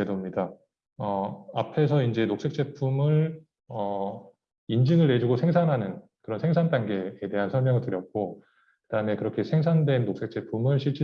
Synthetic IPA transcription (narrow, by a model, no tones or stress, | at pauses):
edomɲida | ʌapʰe̞sʰʌind͡ʑe̞nok̚s͈e̞k̚t͡ɕ͈e̞pʰumɯɭ | ʌ | ind͡ʑɯŋɯɭːe̞d͡ʑuɡosʰe̞ŋs̬ʰanɦanɯnkɯɾʌnsʰeŋsʰant͈anɡe̞ːde̞ɦansʰʌɭmjʌŋɯɭtɯɾjʌt̚k͈o | kɯdaɯmekɯɾʌkʰe̞sʰe̞ŋs̬ʰandwe̞nːok̚s͈e̞k̚t͡ɕ͈e̞pʰumɯɭɕʰiɭt͡ɕ͈i